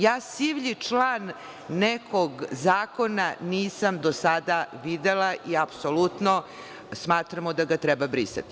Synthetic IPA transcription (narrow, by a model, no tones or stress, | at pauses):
jaːsiʋʎit͡ʂlˠaːnː | ekʰoɡzaːko̞naniːsamd̪osad̪aʋid̪elaʔiapsolut̪no | smaːt̪ɾamod̪aɡat̪ɾɛbabɾisa̰t̪i̥